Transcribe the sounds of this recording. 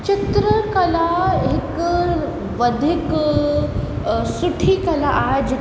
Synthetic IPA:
t͡ɕɪt̪ɾəkɐlaɪk | ʋəd̪ʱik | suʈʰikɐlaʔad͡ʑ

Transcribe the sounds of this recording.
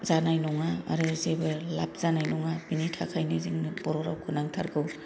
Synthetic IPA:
zanajnɔŋa̰ːɾɯzebɯlap̚ʰz̥anajnɔŋabinitʰakʰajnɯziŋnɯbɔɾɔɾa̰wkʰɯnaŋtʰa̰ɾɡɯw

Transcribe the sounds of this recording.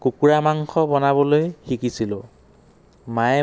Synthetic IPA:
kukuɹamaŋxɔbɔnaβɔlojxikisilʊ̃ | maɛ

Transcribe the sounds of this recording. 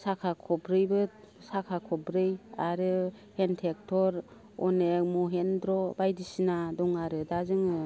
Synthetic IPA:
sakʰakʰɔbɾɯjbɯ | sakʰakʰɔbɾɯjaɾɯ | hentʰek̚tʰɔɾ | ɔnek̚mɔɦendɾɔbajdisinadɔŋaɾɯdazɯŋɯ

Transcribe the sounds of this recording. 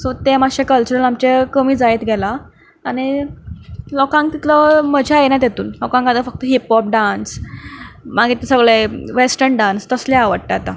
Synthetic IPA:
sot̪emaɕẽkəlt͡ɕəɾəlamt͡ɕekəmiːd͡zaet̪ɡʱɛlaː | ɽ̃i | lɔkãŋk̚t̪it̪ləməd͡ʑʱeajenat̪jet̪uːnlɔkãŋkad̪əfək̚t̪əɦipɔp̚ɖãns | maɡit̪esəɡɭeʋesʈəɾɳɖãnst̪əsleaʋəɽʈ̪aat̪a

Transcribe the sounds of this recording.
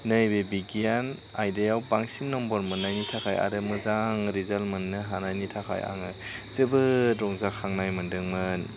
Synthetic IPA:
nɯjbebiɡian | ajdejawbaŋsinːɔmbɔɾmɯnːajnitʰakʰaja̰ɾɯmɯzaŋɾizalmɯnːɯɦanajnitʰakʰa̰ja̰ŋɯzɯbɯdɾɔŋzakʰaŋnajmɯndɯŋmɯn

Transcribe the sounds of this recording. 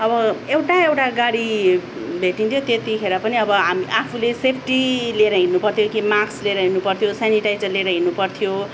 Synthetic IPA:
ʌbʌewʈaewʈaɡaɽi | bʱeʈint̪ʰjot̪et̪ikʰeɾʌpʌniʌbʌɦamiʔapʰulesepʰʈileɾʌɦinːupʌrt̪ʰjokimaksleɾʌɦinupʌrt̪ʰijosaniʈajt͡sʌleɾʌɦinupʌrt̪ʰijo

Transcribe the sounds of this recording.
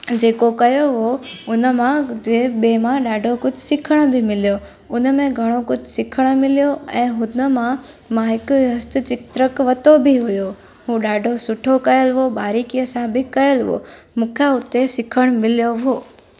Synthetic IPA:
d͡ʑeːkokɐjoɦoʊnəmãd͡ʑeːɓeːmãɗaːɖʱokʊd͡ʑʱsɪkʰəɽ̃bʱɪmɪlijo | ʊnmẽɡʱɐɽ̃okʊd͡ʑʱsɪkʰəɽ̃̆mɪlijoɛ̃ːɦʊnəmã | mãɦɪkʊɦɐst̪ɪt͡ɕɪkt̪ɾəkʋɐt̪obɪɦʊjo | ɦũːɗaːɖʱosʊʈʰokɐjəlɦoɓaːɾikijəsãbɪkɐjəlɦo̰ː | mʊ̃ːkʰjaʊt̪esɪkʰəɽ̃mɪlijoɦoː

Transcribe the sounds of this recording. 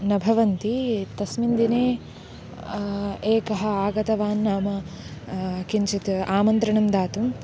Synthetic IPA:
nɐbʱɐʋɐnt̪it̪ɐsmind̪ineː | eːkɐɦɐ̆aːɡɐt̪ɐʋaːnːaːmɐ | kiɲt͡ʃit̪aːmɐnt̪ɾɐɳɐmd̪aːt̪um

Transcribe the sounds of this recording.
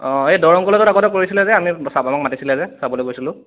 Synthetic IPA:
ɔ̃edɔɹɔŋkɔlɔtɔtakɔtɛk̬oɹisilɛzɛamisabamak̚matisilɛzɛsabɔlojɡojsilʊ̃

